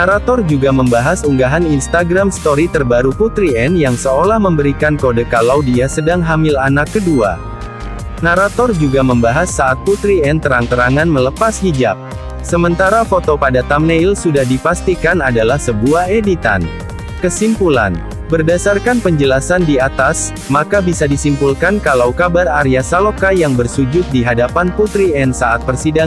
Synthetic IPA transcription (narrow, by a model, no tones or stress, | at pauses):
naɾat̪ɔrd͡ʒuɡaməmbaɦasuŋɡaɦaninst̪aɡɾamst̪oɾit̪ərbaɾuput̪ɾiɛnjaŋsəolahməmbəɾikankodəkalaudiasədaŋɦamilanakːədua̰ | naɾat̪ɔrd͡ʒuɡaməmbaɦasːaʔat̪̚put̪ɾiɛnt̪əɾaŋt̪əɾaŋanmələpashid͡ʒap̚ | səmənt̪aɾafot̪opadat̪amneilsudahdipast̪ikanadalahsəbuahedit̪a̰n | kəsimpula̰n | bərdasarkanpəɲd͡ʒəlasandiat̪as | makabisadisimpulkankalawkabaraɾiasalokajaŋbərsud͡ʒʊt̪̚diɦadapanput̪ɾiɛnsaʔat̪̚pərsida